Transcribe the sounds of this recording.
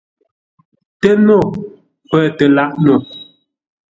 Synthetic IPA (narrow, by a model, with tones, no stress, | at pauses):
tɛ˦no˦˨ | pɛː˨tɛ˨la˦ʔno˨